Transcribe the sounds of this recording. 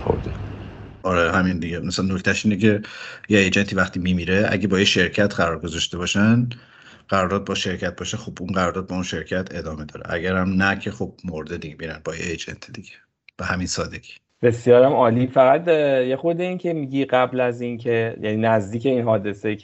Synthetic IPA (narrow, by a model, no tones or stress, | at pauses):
xo̰d̪e | ɒɾehæmind̪iɟemæsænːocʰt̪ʰæʃiːnecʰe̞jeejd͡ʒent̪ʰiːvæχt̪ʰiːmimiːɾeæ̰ɟe̞bɒːjeʃe̞ɾcʰæt̪ʰɢæɾɒːɾɡozɒʃt̪e̞bɒːʃæn | ɢ̥æɾɒːɾd̪ɒːt̪̚bɒːʃe̞ɾcʰæt̪̚bɒːʃexobunɢæɾɒɾd̪ɒːt̪̚bɒunʃe̞ɾcʰæt̪ʰe̞d̪ɒːme̞d̪ɒ̰ːɾḛʔæ̰ɡæɾæmnæcʰe̞χo̞b̥̚moɾd̪ed̪iɟebiɾænbɒːjḛejd͡ʒḛnt̪ʰid̪̥iɡ̥e̥ | b̥ehæminsɒːd̪e̞ɡ̥ʲi̥ː | b̥e̞sjɒːɾæmɒːliːfæɣæd̪jexod̪eincʰemiɟiɢæblæzincʰe̞jʔæ̰ninæzd̪iːce̞inɦɒːd̪e̞se